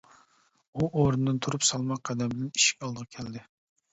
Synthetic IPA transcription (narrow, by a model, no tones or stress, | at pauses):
uʔoɾɨnd̪ɨnt̪ʰuɾupsɑlˠmɑq̚qʰæd̪ɛmbɪlɛni̥ʃi̥kʲɑlˠd̪əʁɑkʲʰɛld̪ɪ